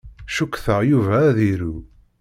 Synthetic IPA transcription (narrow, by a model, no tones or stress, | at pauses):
ʃukːθəʁjuvæðiɾu